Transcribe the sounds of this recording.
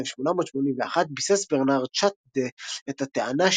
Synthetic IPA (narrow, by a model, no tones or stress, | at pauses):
efʃmonamo̞t̪ʃmo̞nimveaχat̪̚bisesbeʁnaʁt͡ʃat̪d̪eet̪at̪eanaʃ